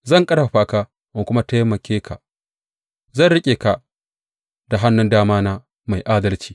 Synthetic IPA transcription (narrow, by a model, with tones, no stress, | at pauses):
zɐ˦˨ŋkʼɐ˦ɽa˨ɸaː˨kaː˦ | ma˨kʷʊ˦ma˦ta˦jmɐ˨kʲʰeː˦kʰa̰˨ | zɐ˦˨nɽɪ˦kʲʼeː˨ka˨ | d̥a˨ɦa˦nːʊ˦ndaː˦maː˦naː˦ | ma˨jʔaː˦dɐ˦lt͡ʃiː˨